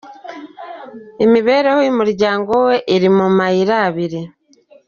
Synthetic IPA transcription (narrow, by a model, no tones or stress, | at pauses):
emiβe̞ːɾehoimuɾɟaːŋɡo̞we̞ʔːɾimumaiɾaːβiɾi